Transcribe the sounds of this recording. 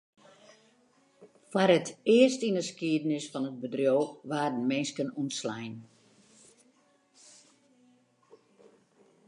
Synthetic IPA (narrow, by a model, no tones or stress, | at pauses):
fwarətɪərstinəskiədənɪsfɔnət̚bədrjoːʋaːdn̩mɛnskənunslɛjn